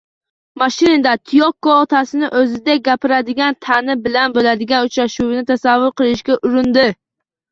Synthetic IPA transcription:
maʃɪnɪd̪at̪ʰɪjɒkːɔːt̪ʰasɪnɪʔɵzɪd̪aɡʲapɪɾad̪ɪɡʲant̪ʰanɪbɪlanbolad̪ɪɡʲanʊt͡ʃɾaʃuwɪnɪt̪ʰasavːʊɾqɨlˠɪʃkʲaʔʊɾɪnd̪ɪ

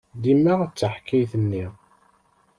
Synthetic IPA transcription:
d̪imːəʁt͡sːəħkːæjθənːi

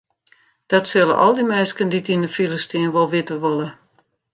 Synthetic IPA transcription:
d̥ɔtsɪlˠə̰ʔɔ̰lˠdimɛskənditindəfilˠəstɪənʋɔlˠʋɪtəʋolˠə

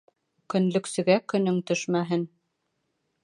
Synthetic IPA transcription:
kɵ̆nlɵ̆ksɵ̆ɡækɵ̆nɵŋt̪ɵʃmæɦɘn

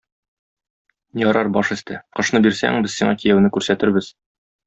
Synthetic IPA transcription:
jɒɾɑɾbɒʃɘ̆st̪ɘqɤ̆ʃnɤbiɾsæ̰ŋbɘzsiɴɑkijæwnɘkʉɾsæt̪ɘɾbɘz

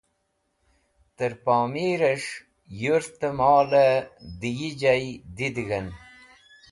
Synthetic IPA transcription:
t̪əɾpɑːmiɾəʂ | juɾt̪əmɑːləd̪ijid͡ʑajd̪id̪ɣən

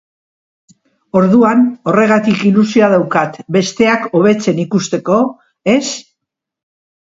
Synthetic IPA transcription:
o̞ɾðuano̞re̞ɣ̞at̪ikilusioaðawkat̪be̞st̪e̞ako̞β̞e̞t͡se̞nikust̪e̞ko̞ | e̞s

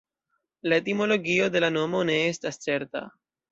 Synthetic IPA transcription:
laetimo̞lo̞ɡio̞de̞lano̞mo̞ne̞e̞stast͡se̞ɾta̰

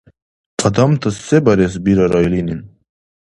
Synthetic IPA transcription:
qʰʼad̪amt̪ʰəsebɐɾes̬biɾaɾajlinin

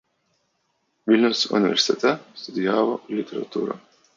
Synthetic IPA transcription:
vilʲnusṵnivʲḛɾsʲt̪et̪ast̪ud̪iaːvɔlʲit̪ʰʲeɾa̰t̪uːɾa̰

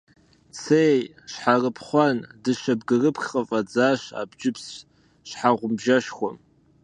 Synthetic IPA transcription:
t͡sʰeːj | ɕħarɨpʰχʷɑndɨʃɐbɡɨrɨpχʲʼɐfʼɐd͡zaːɕa̰ːbd͡ʒɪps | ɕħaʁʷʊmbʒɐʃxʷɔm

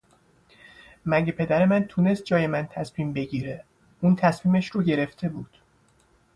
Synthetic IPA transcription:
mæɟepʰe̞d̪æɾe̞mænt̪ʰune̞st̪̚d͡ʒɒːje̞mænt̪ʰæsmiːmbe̞ɟiːɾe | uːnt̪ʰæsmiːmæʃɾuːɟe̞ɾe̞ft̪ʰe̞buːd̪̥

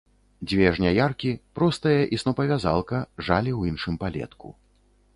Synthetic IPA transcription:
d͡zʲvʲɛʐnʲajarkʲipɾɔst̪ɐjɐʔisnɔpɐvʲaza̰lˠkɐʐalʲiwinʂɨmpalʲɛ̰t̪kṵ

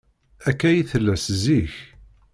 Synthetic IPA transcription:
ækːæjiθəlːæsziç

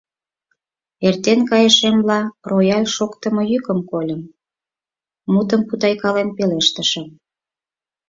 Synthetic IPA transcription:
ert̪enkɑjəʃemlɑrojɑlʲʃokt̪ə̆mɤ̆jykəmkolʲə̆m | ut̪əmput̪ɑjkɑlenpeleʃt̪ə̆ʃə̆m

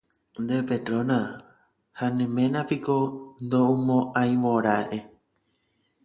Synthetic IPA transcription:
nd̪epet̪ɾõnã | hanẽmẽnãpikond̪oumõʔãj̃mõɾaʔe

